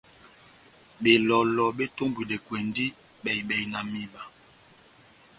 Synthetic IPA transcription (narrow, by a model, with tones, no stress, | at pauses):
ɓe˨lɔ˨lɔ˨ɓe˦to˦mbwi˨le˨kwe˨ndi˦ | ɓɛ˨jɓɛ˨jna˨mi˨ba˨